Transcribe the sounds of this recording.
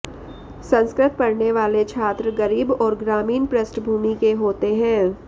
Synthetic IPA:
sɐ̃nskɾɪt̪̚pɐɽneʋaːlet͡ʃʰaːt̪ɾəɡɐɾiːbɔːɾɡɾaːmiːnpɾəsʈbʱuːmikeɦoːt̪eɦɛ̃ː

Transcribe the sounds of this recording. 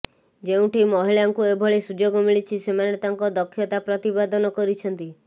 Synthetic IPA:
d͡ʒeũʈʰimɔɦiɭaŋkuebʱɔɭesud͡ʒoɡɔmiɭit͡ʃʰisemanet̪aŋkɔd̪ɔkʰːjɔt̪apɾɔt̪ibad̪ɔnɔkɔɾit͡ʃʰɔnt̪i

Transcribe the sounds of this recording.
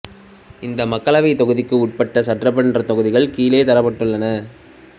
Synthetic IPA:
ɪnd̪ɐmɐkːɐɭɐʋɐɪt̪ɔɣɯðɪkːɯʊʈ̚pɐʈːɐsɐʈrɐpːɐnnrɐt̪ɔɣɯðɪɣɐɭkiːleːt̪ɐɾɐpːɐʈːɯɭːɐnɐ

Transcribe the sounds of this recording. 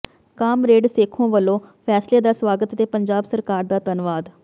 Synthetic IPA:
kaːmɾeːɖseːkʰõːʋəlːõːpʰɛːsleːd̪aːswaːɡət̪ət̪eːpəɲd͡ʒaːbsəɾkaːɾd̪aːt̪ənʋaːd̪

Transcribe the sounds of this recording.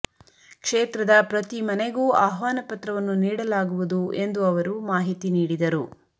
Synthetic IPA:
kʂeːt̪ɾɐd̪ɐpɾɐt̪imɐneɡuːa̰ːɦʋaːnɐpɐt̪ɾɐʋɐnːuniːɽɐlaːɡuʋud̪ue̞nd̪uɐʋɐɾumaːɦit̪iniːɽid̪ɐɾu

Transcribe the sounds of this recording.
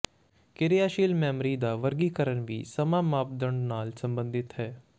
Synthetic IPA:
kɪɾɪjaːʃiːlmɛːmɾiːd̪aːʋəɾɡiːkəɾəɳʋiːsəmãːmaːb̚d̪əɳnaːlsəmbə̃nd̪ɪt̪ɦɛː

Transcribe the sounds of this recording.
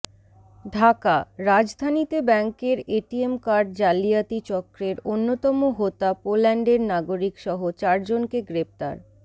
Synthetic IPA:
ɖʱakaɾad͡ʑd̪ʱanit̪ebɛŋkeɾeʈiemkaɾɖd͡ʑalijat̪it͡ɕɔkɾeɾonːot̪ɔmoɦot̪apolɛɳɖeɾnaɡoɾikʃɔɦot͡ɕaɾd͡ʑonkeɡɾep̚t̪a̰ɾ

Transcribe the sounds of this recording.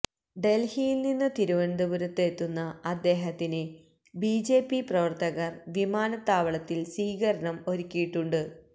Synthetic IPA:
ɖe̞lhijilninːɨt̪iɾuʋɐnd̪ubuɾɐt̪ːet̪ːunːɐɐd̪ːe̞ːɦɐt̪ːinɨ | bid͡ʑe̞ːpːiprɐʋɐrt̪ɐɣɐrʋimaːnɐt̪ːaːʋɐɭɐt̪ːilsiːɣɐɾɐɳɐmo̞ɾikʲːijiʈːuɳɖɨ

